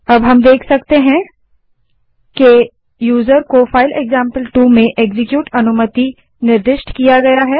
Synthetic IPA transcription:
ɐbɦɐmd̪eːkʰsɐk̚t̪eɦɛ̃ | ke | juːzəɾkofaːɪleːɡzãːmpəlʈuːmẽʔeːɡzɪkjuːʈɐnʊmət̪i | nɪɾd̪ɪʃʈkijaɡɐjaɦɛː

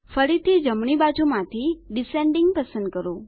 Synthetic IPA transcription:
fəɾit̪ʰid͡ʒəmɳ̃ibad͡ʒumãt̪ʰiɖɪsẽɳɖɪŋɡ̚pəsə̃nd̪̚kəɾo

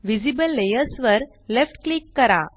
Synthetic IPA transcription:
ʋid͡ʑibəlːejəɾsʋəɾ | lefʈklikːəɾa̰

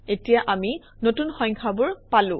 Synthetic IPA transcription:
etijaʔami | notunxɔ̃ŋkʰabʊɹpalʊ̃

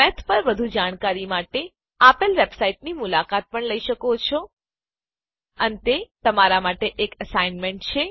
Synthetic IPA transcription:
mɛt̪ʰpəɾʋəd̪ʱud͡ʒaɽ̃kaɾimaʈe | apəlʋebsaiʈnimʊlakat̪̚pəɳləiʃəkot͡ʃʰo | ənet̪et̪əmaɾamaʈeʔekəsainmeɳʈ̚t͡ʃʰe

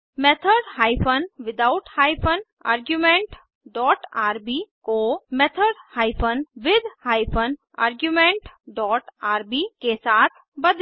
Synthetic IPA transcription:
mɛt̪ʰəɖhaːɪpʰənʋɪd̪aʊʈhaːɪpʰən | a̰ːɾɡjumẽɳʈ | ɖɔːʈaːɾbikomet̪ʰəɖhaːɪpʰənʋɪd̪ʱhaːɪpʰən | a̰ːɾɡjumẽːɳʈɖɔːʈaːɾbikesaːt̪ʰ | bəd̪

